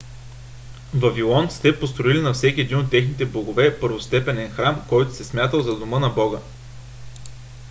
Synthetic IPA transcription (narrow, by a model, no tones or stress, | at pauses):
vɐvilˠɔnt̪st̪ɛpost̪ɾoilinɐfsɛkʲiɛd̪inot̪ːɛxnit̪ɛboɡovɛpɤɾvost̪ɛpɛnɛnxɾamkɔjt̪ʊ̥sɛsmʲjat̪əlˠzɐd̪omɤnɐbɔɡə